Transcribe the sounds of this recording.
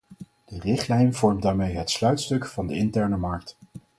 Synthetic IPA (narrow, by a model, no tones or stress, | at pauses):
d̥ərɪχtlɛjnv̥ɔɹmdaːɹmejɦətslœɥtstɵkvɑndəɪntɛɹnəmɑɹk̚t